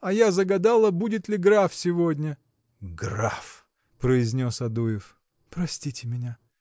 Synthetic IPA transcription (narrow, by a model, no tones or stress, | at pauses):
ɐjazəɡɐd̪alˠəbudʲɪt̪lʲɪɡɾafsʲɪvodʲnʲə | ɡra̰f | pɾəɪzʲnʲosɐd̪ujɪf | pɾɐsʲtʲitʲɪmʲɪnʲa